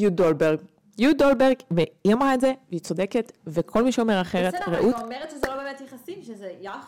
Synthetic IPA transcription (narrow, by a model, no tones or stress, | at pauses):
jud̪obeʁɡ | judolbeʁɡveiamʁaetze̞veit͡so̞de̞ket̪vekʰo̞lmiʃeomeʁaχe̞ʁet̪ʁeʔut̪meʁetʃezelobeːmet̪jeχasimʃezeja